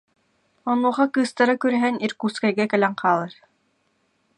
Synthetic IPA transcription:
ɔnuːχɑkɯːst̪aɾakyɾɛɦɛniɾkuːskajɡɛkɛlɛŋqaːlˠaɾ

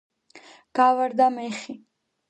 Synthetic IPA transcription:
ɡ̥avaɾd̪amɛχi

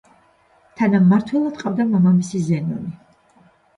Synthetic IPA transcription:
t̪ʰanamːaɾt̪ʰwɛlˠad̪qʼavd̪amamamisizɛnɔ̰ni

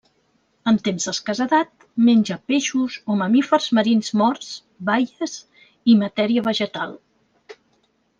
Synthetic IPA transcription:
əmt̪emzðəskəzəðat̪̚ | menʲʒəpeʃuzoməmifərzməɾinzmɔɾz | βajəz | imət̪ɛɾiəβəʒət̪alˠ

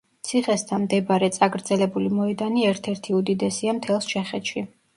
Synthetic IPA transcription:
t̪sʰiχɛst̪ʰanmd̪ɛbaɾɛt̪sʼaɡɾd̪zɛlɛbulimɔɛd̪aniɛɾt̪ʰɛɾt̪ʰiud̪id̪ɛsiamt̪ʰɛlˠst͡ʃʰɛχɛt̪ʃi

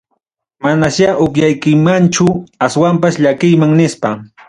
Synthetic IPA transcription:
manaʃaʔʊkjajkɪmant͡ʃʊaswampasʎakɪjmaŋnɪspa

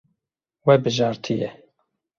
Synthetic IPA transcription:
wɛbɨʒɑːɾt̪ʰijɛ

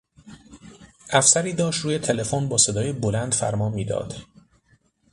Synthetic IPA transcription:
ʔæfsæɾiːd̪ɒːʃtɾuːje̞t̪ʰe̞le̞fonbɒːse̞d̪ɒːjebolænd̪fæ̰ɾmɒːnmiːd̪ɒ̰ːd̪̥

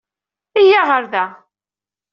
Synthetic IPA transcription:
ijaʁəɾðæ

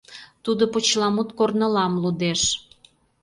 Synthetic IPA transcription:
t̪ud̪opot͡ɕlɑmut̪kornə̆lɑmlud̪eʃ

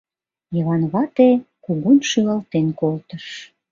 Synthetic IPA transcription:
jəlɑnβɑt̪e | kuɣunʃylɑlt̪enkolt̪əʃ

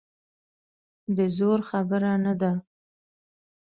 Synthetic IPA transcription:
d̪əzoɾxabəɾanad̪a

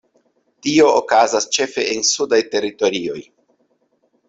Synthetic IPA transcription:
tiookazast͡ʃe̞fe̞ʔensudajte̞ɾito̞ɾio̞j

